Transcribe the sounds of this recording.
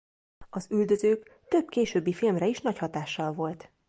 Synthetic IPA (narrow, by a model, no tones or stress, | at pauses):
ɒzyld̪ø̞zøːkt̪ø̞bkeːʃøːbːifilmrɛiʃnɒchɒt̪aːʃːɒlvo̞lt̪